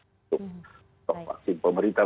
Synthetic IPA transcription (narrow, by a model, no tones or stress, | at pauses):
t̪ʊ | t̪ɔk̚wa̰ksɪnpəməɾint̪a